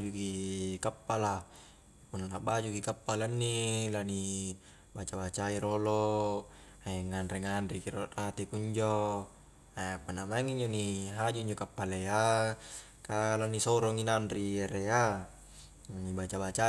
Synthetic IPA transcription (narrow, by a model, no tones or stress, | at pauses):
d͡ʒukikapːala | punalabad͡ʒukikapːalanːilani | bat͡ʃabat͡ʃaiɾolo | aeŋanreŋanrikiɾotat̪ekuɲd͡ʒo | aapunamaiŋiɲd͡ʒoniɦad͡ʒuiɲd͡ʒokapːalea | kalanisɔɾɔŋinanrieɾea | ibat͡ʃabat͡ʃa